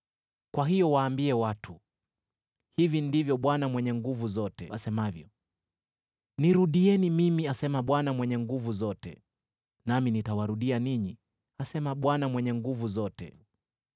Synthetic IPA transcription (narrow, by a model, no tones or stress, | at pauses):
kwaɦijɔwaːmbiɛwatʰu | hivindivjɔɓwanamwɛɲɛŋɡuvuzɔtɛ̰asɛmavjɔ | niɾuɗiɛnimimiasɛmaɓwanamwɛɲɛŋɡuvuzɔtɛ̰ | naminitawaɾuɗianiɲi | asɛmaɓwanamwɛɲɛŋɡuvuzɔtɛ̰